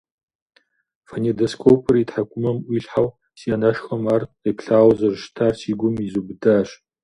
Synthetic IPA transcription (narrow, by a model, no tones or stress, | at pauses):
fɐnidoskʷʰowpʰɨritħakʷʰʼʊmɐmʔʷiːɬħaw | siʔɐnɐʃxɐmaːripɬaːwzɐrʃtʰaːrsʰiːɡʷʊmizubɨdaːɕ